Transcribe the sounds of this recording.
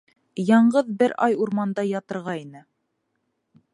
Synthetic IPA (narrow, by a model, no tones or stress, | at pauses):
jɑɴɢɤðbɘɾɑjuɾmɑnd̪ɑjɑt̪ɤ̆ɾʁɑinɘ